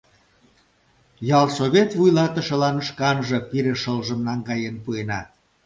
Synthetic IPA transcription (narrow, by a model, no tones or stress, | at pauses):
jɑlˠsoβʲet̪βujlɑt̪ə̆ʃə̆lɑnʃkɑnʒɤ̆piɾeʃəlʒəmnɑŋɡɑjenpuenɑ